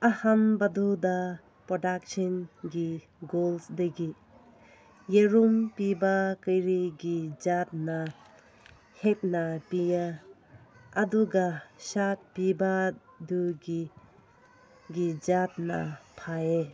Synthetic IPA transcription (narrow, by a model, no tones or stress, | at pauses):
ahanbaduda | pɾɔdak̚sɔnɡi | ɡolsdeɡi | jeɾumpibakɯjɾiɡid͡ʒat̚na | het̚napija | duɡasat̚pibaduɡi | ɡid͡ʒat̚na̰pʰae